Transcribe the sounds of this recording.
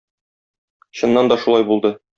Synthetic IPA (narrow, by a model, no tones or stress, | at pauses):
ɕɤ̆nːɑnd̪ɒʃulˠɑjbulˠd̪ɤ